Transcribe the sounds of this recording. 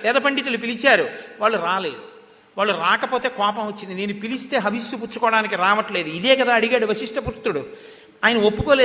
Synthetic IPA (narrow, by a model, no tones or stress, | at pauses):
pɛːd̪ɐpɐɳɖit̪̬ulupilit͡ʃaːɾuʋaːɭːuɾaːle̞ːd̪u | ʋaːɭːuɾaːkɐpo̞ːt̪e̞ːkɔːpɐ̃mʋɐt͡ʃːind̪ine̞ːnupilist̪e̞ːɦɐʋisːuput͡ʃːukɔːɽaːnikiɾaːʋɐʈle̞ːd̪uid̪eːkɐd̪aːɐɽiɡaːɽuʋɐsiʂʈɐpɾut̪ːuɽu | aːjɐnɐopːuko̞ːleː